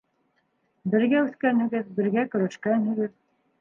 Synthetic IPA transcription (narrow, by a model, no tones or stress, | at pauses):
bɘ̆ɾɡæʉθkænhɘ̆ɡɘðbɘ̆ɾɡækɵ̆ɾæʃkænhɘ̆ɣɘð